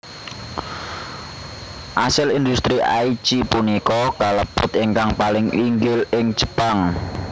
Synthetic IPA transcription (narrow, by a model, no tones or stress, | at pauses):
ʔasɪlind̪ust̪ɾiʔa̰jt͡ʃipunikɔkaləpʊt̪eŋkaŋpalɪŋiŋɡɪlɪŋ̥d͡ʒ̥ə̥paŋ